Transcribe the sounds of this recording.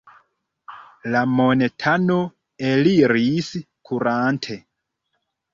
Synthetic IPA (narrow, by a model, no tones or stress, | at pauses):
lamonetʰano | eliɾis | kʰuɾantʰe